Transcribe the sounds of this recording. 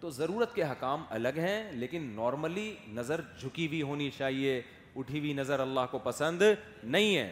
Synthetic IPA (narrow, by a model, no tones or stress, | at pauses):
t̪oːzɐɾuːɾət̪keɦɐkaːmɐ̰ləɡɦɛ̃leːkɪnːɔːɾməlinɐzəɾd͡ʒʱʊkibʱiɦoːnit͡ʃaːɦie | ʊʈʰibʱinɐzəɾɐlːaːɦkopɐsə̃nd̪ | nɐɦĩɦɛ̰ː